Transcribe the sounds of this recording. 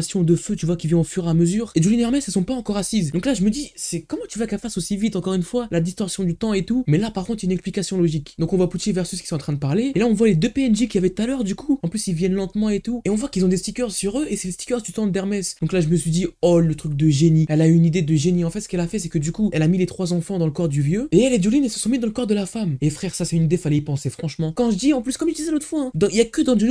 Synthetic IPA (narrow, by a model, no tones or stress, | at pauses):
sjɔ̃d̪əføt̪yvwakʲilvjɛ̃ɔ̃fyʁeaməzyːʁed͡ʒulinɛʁmɛsɛlsɔ̃paɑ̃kɔʁasizd̪ɔ̃klaʒəməd̪isɛkɔmɑ̃t̪yvakɛlfasosivit̪ɑ̃kɔʁynfwalad̪ist̪ɔʁsjɔ̃d̪yt̪ɑ̃et̪umɛlapaʁkɔ̃t̪χjaynɛksplikasjɔ̃lɔʒikd̪ɔ̃kɔ̃vwaput̪evɛʁsyskʲi̥sɔ̃ɑ̃t̪χɛ̃d̪əpaʁleelaɔ̃vwaled̪øpeɛnʒekʲiavɛt̪ut̪alœʁd̪ykuɑ̃plysilvjɛnlɑ̃t̪mɑ̃et̪ueɔ̃vwakilzɔ̃d̪est̪ikʲœʁsyʁøʔesɛlest̪i̥kʲœʁd̪yt̪ɑ̃d̪ɛʁmɛsd̪ɔ̃klaʒəməsɥid̪iɔlːət̪χyk̚d̪əʒeniɛlayynid̪ed̪əʒeniɑ̃fɛt̪sə̥kɛlafɛs̬ɛkəd̪ykuɛlamilet̪χwazɑ̃fɑ̃d̪ɑ̃ləkɔʁd̪yvjøeɛlɛd̪julinelsə̥sɔ̃mid̪ɑ̃ləkɔʁd̪əlafamefχɛʁsasɛynid̪efalɛipɑ̃sefχɑ̃ʃmɑ̃kɑ̃ʒəd̪iɑ̃plyskɔmʒəd̪izɛlot̪χəfwaɛ̃d̪ɑ̃iljakəd̪ɑ̃d̪l